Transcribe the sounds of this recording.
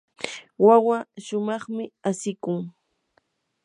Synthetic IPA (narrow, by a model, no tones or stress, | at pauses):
wawaʃʊmɑχmɪasɪkʊŋ